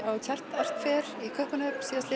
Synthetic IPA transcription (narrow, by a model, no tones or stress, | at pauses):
awc̪ʰar̥t̪ar̥t̪fɛːɾikʰœhpʏnœpsiast̪ɪ